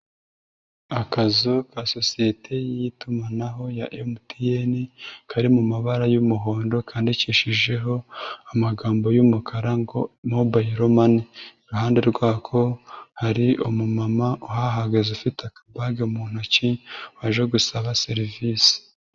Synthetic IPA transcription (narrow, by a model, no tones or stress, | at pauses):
akazokaso̞sijetʰe̞jijitumanaɦo̞jaʔemutijenikaɾimumaβaɾajumuɦo̞ːndo̞kʰaːndiciʃiʒe̞ɦo̞amaɡaːmbo̞jumukʰaɾaŋɡomobajiɾomaniiɾuhaːnde̞ɾɡwaːkʰo̞haɾiʔomumamauɦaɦaɡazufiteakḁbaɡeumuːn̥huciwaʒeɡusaβase̞ɾivisi̥